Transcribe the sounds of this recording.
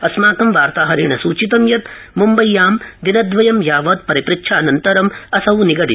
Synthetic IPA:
ɐsmaːkɐmʋaːɾt̪aːɦɐɾiːɳɐsuːt͡ʃit̪ɐmjɐt̪mumbɐjːaːmd̪inɐd̪ʋɐjɐmjaːʋɐːt̪̚pɐɾipɾɪkʃʰaːnɐnt̪ɐɾɐmɐsɐwniɡɐɽi

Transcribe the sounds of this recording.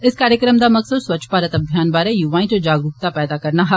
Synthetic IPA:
ɪskaːɾjəkɾəmd̪amɐksəd̪sʋɐt͡ʃʰpaːɾət̪ɐbʱjaːnbaːɾɛjuʋaːɪ̃ʈd͡ʒaːɡɾukt̪apɛːd̪akɐɾnaɦa

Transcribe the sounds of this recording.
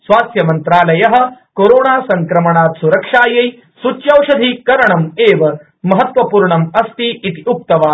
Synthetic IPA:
sʋaːsjɐmɐnt̪ɾaːlɐjɐɦɐ̆koɾoːɳaːsɐŋkɾɐmɐɳaːt̪suɾɐkʂaːjɐj | sut͡ʃjɐwʂɐd̪ʱikɐɾɐɳɐmeːʋɐ | mɐɦɐt̪ʋɐpuːɾɳɐmɐst̪iːt̪iuk̚t̪ɐʋaː

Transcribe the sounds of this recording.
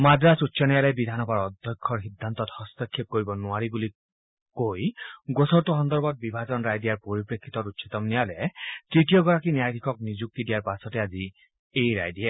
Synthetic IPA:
madɹasutːsʰɔnijalɛbid̪ʱanɔbaɹɔd̪ʱjɔkʰːɔɹɦid̪ʱːant̪ɔthɔst̪ɔkʰːip̚koɹibɔnʊaɹibuli | kojɡosʰɔɾtuɦɔnd̪ɔɹbɔt̪̚bibʱazɔnɹajdijaɹpoɹipɹekʰːit̪ɔɾutːsʰit̪ɔmnijalɛtɹitijɔɡɔɹakinijajd̪ʱikʰɔk̚nizuk̚t̪idijaɹpasɔtɛazi | ejɾa̰jdiɛ

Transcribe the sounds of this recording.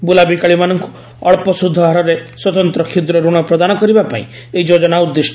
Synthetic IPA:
bulabikaɭimanɔŋku̥ | ɔɭpɔsud̪ʱːɔɦaɾɔɾeswɔt̪ɔnt̪ɾɔkʰid̪ɾɔɾuɽ̃ɔpɾɔd̪anɔkɔɾibapa̰ḭ̃ | eid͡ʒod͡ʒɔnaud̪ːes

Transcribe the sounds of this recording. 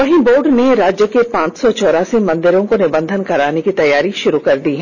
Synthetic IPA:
ɐɦĩboːɾɖneɾaːd͡ʒjəkepãːt͡ʃsɔt͡ʃɔːɾaːsimɐ̃nd̪ɪɾõkonɪbə̃nd̪ʱənkɐɾaːnekit̪ɐjːaːɾiʃʊɾukɐɾd̪iɦɛ̃

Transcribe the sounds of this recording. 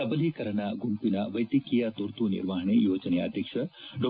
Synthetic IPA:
ɐbəlikɐɾɐnaɡumpinaʋɐjt̪ikijat̪oɾt̪unḭɾʋaɦnejod͡ʒɐnea̰d̪ʱjɐk̚t͡ʃʰɐɖo

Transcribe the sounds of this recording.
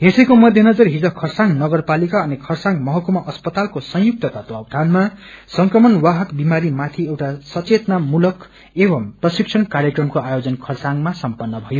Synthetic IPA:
ɦesʌjkomʌd̪ʱjenʌd͡zʌrɦid͡zʌkʰʌrsaŋnʌɡʌrpalikaʌnikʰʌrsaŋmʌɦʌkumaʔʌspʌt̪alkosʌ̃j̃juk̚t̪ʌt̪at̪uʌb̚d̪ʱanmasʌŋkrʌmʌnwaɦʌkbimaɾimat̪ʰiewʈasʌt͡set̪namulʌk | ebʌmprʌsiksʰʌnkarjʌkrʌmkoajod͡zʌnkʰʌrsaŋmasʌmpʌnːʌbʱʌjo

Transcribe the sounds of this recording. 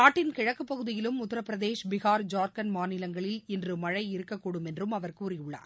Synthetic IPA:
naːʈːɪnkɪɻɐkːɯpːɐɣɯðɪjɪlɯmʊt̪ːɐɾɐpːɪɾɐðeːʂbɪɣaːɾd͡ʒaːɾkɐnmaːnɪlɐŋɡɐɭɪlɛndrɯmɐɻɐɪɪɾɯkːɐkːuːɽɯmɛndrɯmɐʋɐɾkuːrɪjʊɭːa̰ːɾ

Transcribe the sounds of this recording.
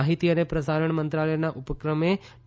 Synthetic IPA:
ɦit̪ijɐnepɾɐsaːɾəɳ̃mɐnt̪ɾaːləjɐnaʔupɐkɾəme

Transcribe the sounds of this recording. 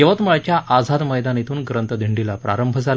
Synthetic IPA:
jəʋət̪məɭat͡ɕjaʔad͡zʱad̪məjd̪anet̪uːnɡɾənt̪əd̪ʱiɳɖilapɾa̰ɾəmbʱəd͡zal

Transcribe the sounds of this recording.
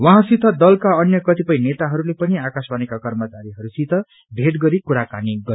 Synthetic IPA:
wʌɦãsit̪ʰʌd̪ʌlkaʌnjʌkʌt̪ipʌjnet̪aɦʌɾulepʌniakasbanekakʌrmʌt͡saɾiɦʌɾusit̪ʰʌ | bʱeʈɡʌɾikuɾakaniɡʌɾj

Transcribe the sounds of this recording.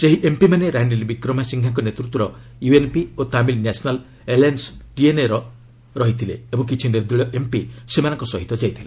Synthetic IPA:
seɦiʔempimaneɾaɳɖiɾebikɾɔmasiŋɡʱjaŋkɔnet̪ɾut̪wɔɾɔ | juenpiot̪amilnasɔnal | elansʈieneɾɔ | ɾɔɦit̪ʰileebɔŋkit͡ʃʰinɖeɾd̪ɾiɭɔʔempisemanɔŋkɔsɔɦit̪ɔd͡ʒajt̪ʰile

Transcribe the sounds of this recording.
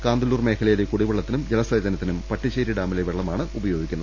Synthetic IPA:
kaːnd̪ɐluːrme̞ːkʰɐlɐjɐlekuɽiʋɐɭːɐt̪ːinumd͡ʑelɐsɐjd̪ɐnɐt̪ːinumpɐʈːiɕejɾiɖaːmileʋeɭːɐmaːɳɨʔubɐjo̞ːɡikʲːunːɐ

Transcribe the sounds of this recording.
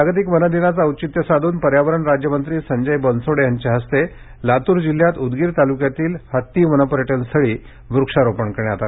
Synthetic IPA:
aɡət̪̬ikʋənəd̪inat͡saəwt͡ɕit̪jəsad̪ʱuːnpəɾjaʋəɾəɳɾad͡ʑjəmənt̪ɾiːsəɲd͡ʑəjbənsoɽjaɲt͡ɕeɦəst̪e | lat̪uːɾd͡ʑil̤jat̪ud̪ɡiːɾt̪alukjat̪iːlhət̪ːiːʋənəpəɾjəʈənst̪ʰəɭiː | ʋɾukʂaɾopəɳkəɾɳeat̪at̪

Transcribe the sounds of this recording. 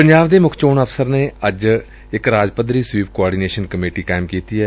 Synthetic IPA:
pəɲd͡ʒaːʋd̪eːmʊkʰt͡ʃoːnəpʰsəɾneːəd͡ʒ | ɪkɾaːd͡ʒpəd̪ɾiːsʋiːpkoaːɖiːneːʃənkəmeːʈiːkaːɪmkiːt̪iːɛː

